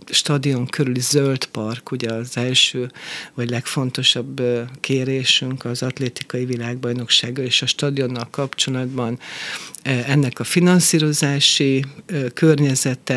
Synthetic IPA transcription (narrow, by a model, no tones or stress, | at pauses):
ʃt̪ɒd̪io̞ŋkʰøɾylizølt̪pɒrkuɟɛɒzɛlʃøːvɒɟlɛkfo̞nt̪o̞ʃɒbkʰeːɾeːʃyŋkɒzɒt̪leːt̪ikɒjivilaːɡbɒjno̞kʃaːɡɒleːʃɒʃt̪ɒd̪io̞nːɒlkɒpt͡ʃo̞lɒd̪bɒn | ɛnːɛkɒfinɒnsiːɾo̞zaːʃikørɲɛzɛt̪ɛ